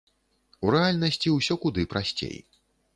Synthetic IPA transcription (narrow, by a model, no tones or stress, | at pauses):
uɾɛalʲnɐsʲt͡sʲiwsʲɔkud̪ɨpɾasʲt͡sʲḛj